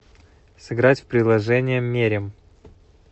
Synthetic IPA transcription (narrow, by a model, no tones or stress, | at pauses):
sɨɡɾatʲfpɾʲɪdlˠɐʐɛnʲɪjəmːʲeɾʲɪm